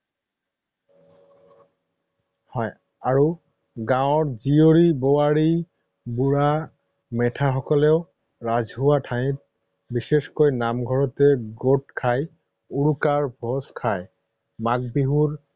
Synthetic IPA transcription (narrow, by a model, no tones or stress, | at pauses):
hɔj | aɹu | ɡãʊ̃ɔɹzioɹibowaɹi | buɹa | mɛtʰaxɔkɔlɛʊ | ɹazɦuwatʰaĩt̚ | biseskojnamɡʱɔɹɔtɛɡoʈ̚kʰaj | uɹukaɹbʱɔskʰaj | mak̚biɦuɹ